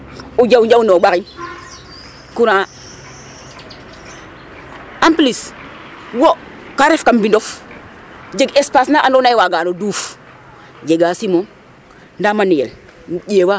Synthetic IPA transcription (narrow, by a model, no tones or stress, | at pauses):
ud͡ʒawd͡ʒaunoɓakin | kuɾa | amplis | wokaɾefkambindof | d͡ʒeɡespasnaʔandonaiwaɡanoduf | d͡ʒeɡasimoŋ | ndamanijḛl | ɟewa